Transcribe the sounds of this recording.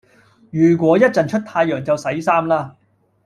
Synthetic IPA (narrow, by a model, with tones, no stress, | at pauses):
jyː˨˩k̬wɔː˨˥jɐ˥t̚t͡sɐ˨nt͡ʃʰɵ˥t̚t̪ʰaː˧jːœː˨˩ŋt͡sɐ˨wsɐ˨˥jsaː˥mlaː˥